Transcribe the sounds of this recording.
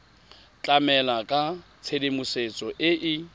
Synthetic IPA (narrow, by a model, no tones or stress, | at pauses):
t͡ɬʼamɛlakʼa | t͡sʰedemuset͡sʼɔʔɪʔɪ